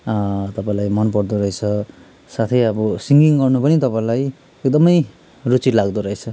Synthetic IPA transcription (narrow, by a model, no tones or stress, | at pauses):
t̪ʌpãĩlajmʌnpʌrd̪uɾʌɦet͡sʰʌ | sat̪ʰʌjʌbʌsiŋɡiŋɡʌrnupʌnit̪ʌpãĩlaj | ekd̪ʌmʌj | rut͡siʈlaɡd̪uɾʌɦet͡sʰʌ